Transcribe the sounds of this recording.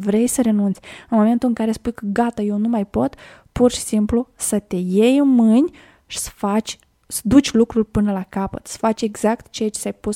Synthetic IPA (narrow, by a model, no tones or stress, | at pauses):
vɾe̞jsəɾe̞nunt̪sʲɨnmo̞me̞nt̪ulɨŋkaɾe̞spujkəɡat̪aje̞wnumajpo̞t̪ | purʃi̥simplusət̪e̞je̞jɨnmɨnʲ | ʃi̥sə̥fat͡ʃʲ | sə̥d̪ut͡ʃʲlukɾurʲpɨnəlakapə̰t̪sə̥fat͡ʃʲe̞ɡz̥akt̪t͡ʃejat͡ʃesʲajpus